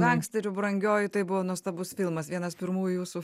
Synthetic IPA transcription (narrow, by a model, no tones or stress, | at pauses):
ɡʲɛŋksʲt̪ʲɛɾʲʊbɾɐŋʲɡʲoːjʊt̪ɐɪbʊʋoːnuɔst̪ɐbʊsfʲɪlˠmɐsʋʲiɛnɐspʲɪɾmuːjʊjuːsu